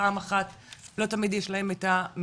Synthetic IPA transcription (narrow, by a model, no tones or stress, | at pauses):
aːmaχat | lo̞tamidjeʃlahe̞maetam